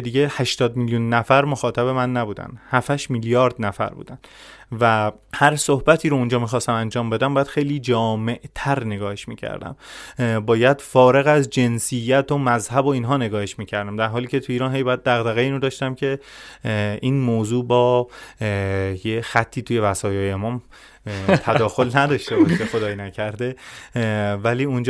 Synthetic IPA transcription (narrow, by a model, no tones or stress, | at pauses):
d̪iːɟehæʃt̪ɒːd̪miljunːæfæɾmoxɒːt̪ʰæβe̞mænːæbuːd̪æ̰nhæfæʃmiljɒːɾd̪næfæ̰ɾbṵːd̪æn | væ | hæɾsohbæt̪ʰiːɾound͡ʒɒːmiːxɒːst̪æmænd͡ʒɒːmbe̞d̪æmbɒːjæd̪xejliːd͡ʒɒːme̞ʔt̪ʰæɾne̞ɡɒːheʃmiːcʰæ̰ɾd̪æ̰mbɒːjæd̪̥fɒːɾe̞ɣæzd͡ʒe̞nsijːæt̪ʰomæzhæboiːnɦɒːne̞ɡɒːheʃmiːcʰæɾd̪æmd̪æɾɦɒːliːcʰe̞t̪ʰuiːɾɒːnɦe̞jbɒjæd̪̚d̪æɣd̪æɣeiːnod̪ɒːʃt̪æmcʰe̞ | iːnmoːzuːbɒː | jexæt̪ʰːiːt̪ʰuːje̞væsɒːjɒːjemɒːm | t̪ʰæd̪ɒːxo̞lnæd̪ɒːʃt̪e̞bɒʃexo̞d̪ɒːjnæcʰæɾd̪e̞ | væliːund͡ʒ